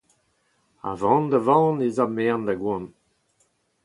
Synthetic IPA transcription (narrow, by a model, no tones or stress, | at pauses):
a̰vɑ̃ːndavɑ̃ːnezamɛːnd̪aɡwɔ̃n